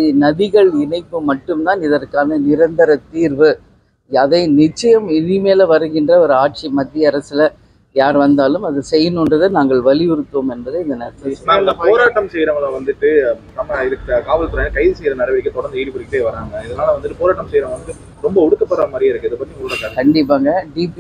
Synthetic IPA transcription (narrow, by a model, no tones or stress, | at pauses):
nɐðɪɣɐɭɪnɐɪpːɯmɐʈːɯmt̪aːnɪðɐrkaːnɐnɪɾɐnd̪ɐɾɐt̪ːiːɾʋɯ | ɐðɐɪnɪt͡ʃːɐjɐmɪðɪmeːlɐʋɐɾɯɣɪndrɐɔɾɯaːʈ̚t͡ʃimɐt̪ːɪjɐɐɾɐsɪlɐ | jaːɾʋɐnd̪aːlɯmɐðɯsɛjːɯnɯnrɐðɯnaːŋɡɐɭʋɐlɪʋɪɾɯt̪ːoːmɛnbɐðɯɪnðɐnɐsɐnaːɡɐpoːɾaːʈːɐmsɛjɾɐmɐlaʋɐnd̪ɯʈːɯsɐmːaɪɾɯkːɐkaːʋɐlt̪ɯɾaːɐkɐɪðɯsɛjɾɐnɪɾɐʋɪɪkːɯt̪ɔɽɐɾnd̪ɐiːɽipɐɽɪkːɪʈːeːʋɐɾaːŋɡɐɪðɐnaːlɐʋɐnd̪ɯʈːɯpoːɾaːʈːɐmsɛjɾɐmʋɐnd̪ɯʈ̪ːɯ | ɾɔmbɐʊɽɯkːɐpːɐɽɐɐmaːɾɪɪɾɯkːɯɪðɯpːɐt̪ːɾiŋɐɽɐkːaːɐkɐɳɖɪp̬ːaːŋɡɐɖiːp